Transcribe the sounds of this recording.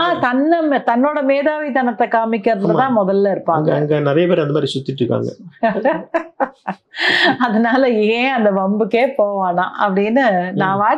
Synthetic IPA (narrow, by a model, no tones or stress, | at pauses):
aːt̪ɐnːɐmt̪ɐnːoːɽɐmeːðaːʋit̪ɐnɐt̪ːɐkaːmɪkːɐɾɐnd̪ɐt̪ãːmɔðɐlːɐɪɾɯpːaːŋɡɐɐŋɡɐnɪɾɐjɐpeːɾɐnd̪ɐmaːd̪ɾisʊt̪ːɪʈːɾɯkːa̰ːŋɡɐ̰ | ɐðɐnaːlɐeːɐnd̪ɐbɐmbɯkːeːpoːʋaːnã̰ːʔɐ̰pːɐɽɪnːɯnãːʋaː